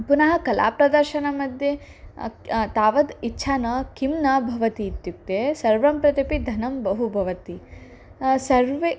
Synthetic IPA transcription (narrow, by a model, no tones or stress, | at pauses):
punɐɦɐkɐla̰ːpɾɐd̪ɐɾʃɐnɐmɐd̪ʱje | t̪aːʋɐd̪itːʃʰaːnɐkimnɐbʱɐʋɐt̪iːt̪juk̚t̪esɐɾʋɐmpɾɐt̪ipid̪ʱɐnɐmbɐɦubʱɐʋɐt̪i | sɐɾʋe